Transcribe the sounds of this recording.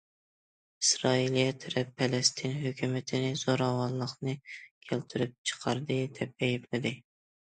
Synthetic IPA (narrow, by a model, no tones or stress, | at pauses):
isɾɑilijɛt̪ʰyɾɛpʰːɛlɛst̪ʰɪnɦøkʲʰymɪt̪ʰɪnɪz̥oɾɑwɑlˠlːˠəχnɨkʲʰælt̪ʰyɾyp̚t͡ʃʰə̥qʰɑɾd̪ɨd̪ɛp̚ɛjiplɪd̪ɪ